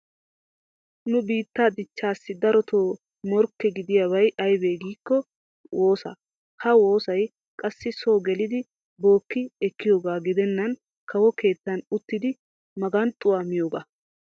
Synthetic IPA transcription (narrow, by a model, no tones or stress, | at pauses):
nʊbiːt̪ːaːd̪ɪt͡ʃːaːsːɪd̪ɐɾɔt̪ʰo̞ː | mɔɾkːɛɡɪd̪ɪjabɐjʔɐjbeːɡiːkːɔ | wʔoːsɐ̰ | hɐwo̞ːsɐj | kʼɐsːɪso̞ːɡɛlɪd̪ɪ | bo̞ːkːɪɛkːɪjo̞ːɡaːɡɪd̪ɛnːɐn | kɐwɔke̞ːt̪ːɐnʊt̪ːɪd̪ɪ | mɐɡɐnt̪ʼʊwaːmɪjoːɡaː